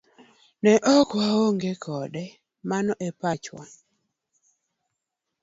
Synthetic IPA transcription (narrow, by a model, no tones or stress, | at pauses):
nɛʔɔkwawoŋɡekʰɔdɛ | manɔʔɛpat͡ʃwa̰